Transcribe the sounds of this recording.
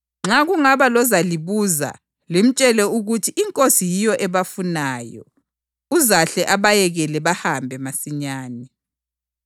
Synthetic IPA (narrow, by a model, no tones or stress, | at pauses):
ŋ͡ǁaɣuŋaβalɔzaliβuza̰ | lem̩t͡ʃʼɛlɛuɣutʰiʔːŋkʼosijijɔʔɛβafunaːjɔ̰ | uzaɬɛʔaβajɛɣɛlɛβahambʱɛmasiɲaːni